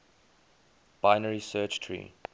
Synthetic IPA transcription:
b̥aɪnəɹisɜt͡ʃtʰɹḭ

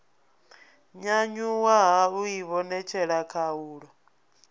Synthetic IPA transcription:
ɲaɲuwaɦaujiβɔnɛt͡ʃʰɛɺakʰauːɺɔ

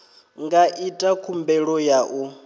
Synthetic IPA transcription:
ŋɡaʔitʼakʰumbɛɺɔjaʔu

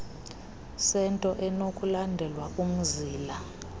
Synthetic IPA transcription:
sɛntʼɔʔɛnokʼulandʱɛlwakʼum̩ziːla

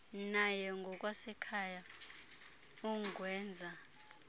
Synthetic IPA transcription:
najɛŋɡʱɔk̬ʼwasɛkʰaja | uŋɡwɛːnd͡zʱa

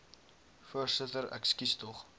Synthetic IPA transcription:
fuərsətəɾæ̰kskistɔχ

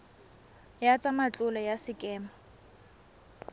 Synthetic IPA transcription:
jat͡sʼamat͡ɬʼʊlɔjasɪkʼɛːmɔ

